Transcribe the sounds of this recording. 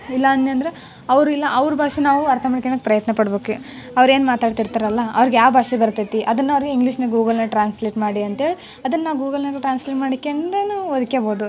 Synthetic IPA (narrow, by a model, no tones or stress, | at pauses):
ilːɐɐnt̪ːɐnd̪ɐɾe | ɐʋɾuilːɐʔɐʋɾubʱaːʂinaːʋuɐɾt̪ʰɐmɐɳkenɐk̚pɾɐjɐt̪nɐpɐɽbeːku | ɐʋɐɾe̞ːnumaːt̪aːɖt̪iɾt̪aːɾɐlːɐɐ̰ʋɐɾiɡejaːʋbʱaːʂibɐɾut̪ːɐt̪iʔɐd̪ɐnːɐʋɐɾiɡeiŋɡliʂnɐɡuːɡɐlnɐʈɾaːnsleːʈmaːɽiɐnt̪ɦeːɭi | ɐd̪ɐnːɐːaːʋɡuːɡɐlnɐɡʈɾaːnsleːʈmaːɽikːend̪enaɐd̪ikeboːd̪u